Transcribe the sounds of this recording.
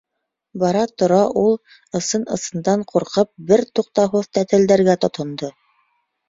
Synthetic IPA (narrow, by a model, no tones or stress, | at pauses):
bɑɾɑt̪ŏɾɑʔulˠ | ɤ̆sɤnɤ̆sɤ̆nd̪ɑɴquɾqɤp̚bɘɾt̪uqt̪ɑɦoðt̪æt̪ɘ̆ld̪æɾɡæt̪ŏt̪ʰŏnd̪o